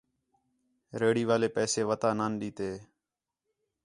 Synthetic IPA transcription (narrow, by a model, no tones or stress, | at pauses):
ɾeːɽiːʋaːleːpɛːseːʋət̪aːnaːnɗiːt̪eː